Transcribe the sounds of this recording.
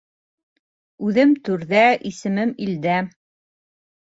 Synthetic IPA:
ʉðɘmt̪ʉɾðæʔisɘ̆mɘmild̪æ

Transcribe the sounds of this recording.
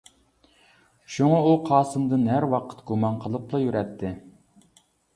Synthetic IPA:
ʃuŋɑuqʰɑːsɨmd̪ɨnɦæɾwɑqʰə̥t̪ɡumɑnqʰəlˠɨplˠɑjyɾɛt̪ʰːɪ

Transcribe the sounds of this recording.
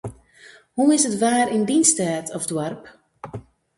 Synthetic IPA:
huɪsətʋaːɾɪndinstɛːtʰɔfdwarp

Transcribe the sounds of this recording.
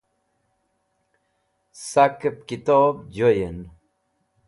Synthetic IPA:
sakəp̚kit̪ɔːbd͡ʑojən

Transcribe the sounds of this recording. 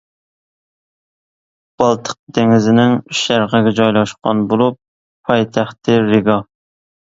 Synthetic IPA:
b̥ɑlˠt̪ʰə̥q̚d̪eŋɪzɪnɪŋyʃæɾʁəɡʲɛd͡ʒɑjlˠɑʃqɑ̰nbolˠupʰː | ɑjt̪ʰæχt̪ɪɾɪɡɑ

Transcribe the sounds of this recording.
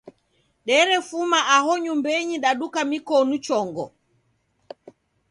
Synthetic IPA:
ɗɛɾɛfumaʔaɦɔɲumbɛɲiɗaɗukamikɔnut͡ʃɔŋɡɔ̰

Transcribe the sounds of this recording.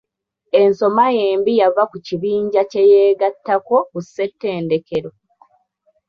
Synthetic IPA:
e̞nso̞maje̞ːmbijavakuciβiːɲɟace̞jeːɡatːako̞kusːe̞tːe̞ːnde̞keɾo̞

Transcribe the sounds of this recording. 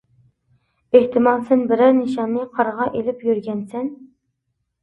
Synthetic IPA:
eht̪ʰɪmɑlˠsɛnbɪɾæɾnɨʃɑmnɨqʰɑɾʁɑʔelɪpjyɾɡʲɛnsɛn

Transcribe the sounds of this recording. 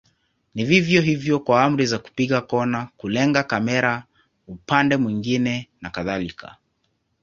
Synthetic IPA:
nivivjɔɦivjɔkwaam̩ɾizaku̥piɠakɔnakulɛŋɡakamɛɾa | upandɛmwiŋɡinɛnakaðalikʰa̰

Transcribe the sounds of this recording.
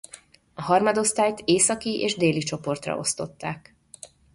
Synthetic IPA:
ɒɦɒrmɒd̪o̞st̪aːjt̪eːsɒkiʔeːʒd̪eːlit͡ʃo̞po̞rt̪rɒ̰ʔo̞̰st̪o̞t̪ːaːk

